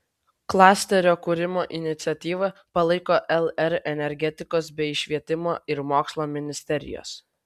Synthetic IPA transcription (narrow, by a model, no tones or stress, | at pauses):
klˠɑːsʲt̪ʲɛɾʲoːkʊɾʲɪmoːʔɪnʲɪt̪sʲɛt̪ʲiːʋɐpɐlˠɐɪkoːʔɛlˠɛɾɛnʲɛɾʲɡʲɛt̪ʲɪkoːsbʲɛɪɪʃʲʋʲiɛt̪ʲɪmoːɪɾmoːkslˠoːmʲɪnʲɪsʲt̪ʲɛɾʲɪ̰jo̰ːs